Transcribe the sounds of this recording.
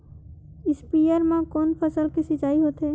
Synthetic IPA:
ɪspijəɾmãkɔːnpʰəsəlkisit͡ʃaːiɦoːt̪ɦeː

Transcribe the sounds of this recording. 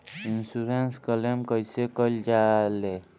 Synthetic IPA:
insuɾenskɔlemkɔjsekɔld͡ʒale

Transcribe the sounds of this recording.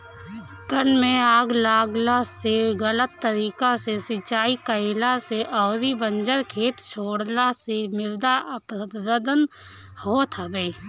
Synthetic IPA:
t̪ənmẽaːɡlaːɡlaseɣələt̪ːəɾiːkasesɪt͡ʃaːikəelaseʔɔːɾibə̃nd͡ʒəɾkʰeːt̪t͡ʃʰoːɽlasemɪɾd̪aʔəpəd̪əd̪ən | hoːt̪ʰəbeː

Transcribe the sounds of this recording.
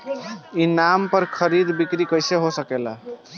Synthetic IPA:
inampəɾkʰəɾid̪bikɾikəjseɦosəkela

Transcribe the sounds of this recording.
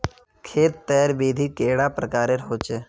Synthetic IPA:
kʰeːt̪ːɛːɾbeːd̪ʱikeːɽapɾəkaːɾeɾɦoːt͡ʃeː

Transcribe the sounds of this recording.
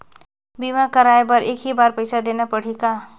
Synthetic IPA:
bimakəɾaebʌɾekɦibaɾpəjsad̪enapəɽ̤ika

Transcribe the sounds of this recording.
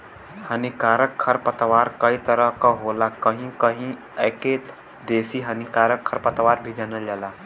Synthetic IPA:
hənikaːɾəkʰːəɾpət̪ʋaɾkəit̪əɾəɦkɔɦolakəɦĩkəɦĩ | ɛke | d̪eːsiɦənikaːɾəkʰːəɾpət̪ʋaːɾbʱid͡ʒənəld͡ʒala

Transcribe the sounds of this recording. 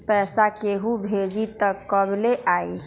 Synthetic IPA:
pɛsakeɦubʱed͡ʒit̪əkːəbleʔai

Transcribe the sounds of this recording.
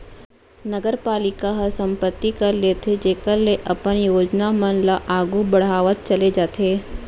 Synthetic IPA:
nəɡəɾpaːlɪkaɦɐɾsɐ̃mpət̪ːikɐɾleːt̪ʰed͡ʒeːkəɾleʔɐpənjoːd͡ʒnamənlaʔaːɡubɐɽ̤aːʋət̪̚t͡ʃɐled͡ʒaːt̪ʰeː

